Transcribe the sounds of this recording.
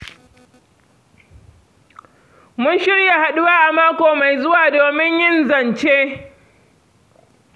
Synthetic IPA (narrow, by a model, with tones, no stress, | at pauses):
mʊ˦nʃɪ˦rja˨ha˨ɗʊ˦waː˦ʔa˨maː˦kʷoː˨ma˨jzʊ˦waː˨doː˨mɪ˦ɲjɪ˦nzɐ˨nt͡ʃeː˦